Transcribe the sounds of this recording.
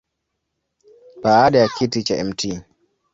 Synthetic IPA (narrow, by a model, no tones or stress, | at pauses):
baːɗajakʰitit͡ʃaʔɛmtʰiː